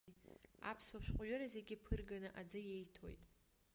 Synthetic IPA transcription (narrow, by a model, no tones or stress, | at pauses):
a̰pʰswaʃᶣʷχʷʼɥʊɾaze̞ɡʲɪpʰɨrɡanɨʔad͡zɨje̞jtʰo̰jtʼ